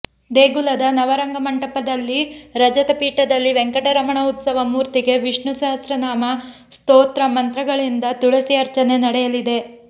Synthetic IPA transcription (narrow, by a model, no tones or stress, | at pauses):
d̪eːɡulɐd̪ɐnɐʋɐɾɐŋɡɐmɐɳʈɐpɐd̪ɐlːiɾɐd͡ʒɐt̪ɐpiːʈɐd̪ɐlːiʋeŋkɐʈɐɾɐmɐɳɐut̪sɐʋɐmuːɾt̪iɡe̞ʋiʂɳuʃaːst̪ɾɐnaːmɐ | st̪oːt̪ɾɐmɐnt̪ɾɐɡɐɭind̪ɐt̪uɭɐsiɐɾt͡ʃɐne̞nɐɽɛjɐlid̪e̞